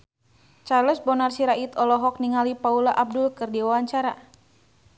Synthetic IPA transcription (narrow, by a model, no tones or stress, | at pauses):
t͡ʃarləsbɔnarsiɾait̪ɔlɔɦɔk̚niŋalipaulaʔab̚dulkɨrdiwawaɲt͡ʃaɾa